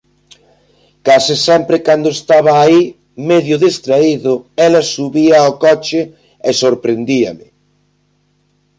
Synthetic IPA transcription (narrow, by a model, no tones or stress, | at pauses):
kasɪsɛmpɾɪkand̪ʊest̪aβɐːi | mɛðjʊðest̪ɾaiðʊɛlɐsuβiɐokɔt͡ʃɪ | ɛsoɾpɾend̪iɐ̰mɪ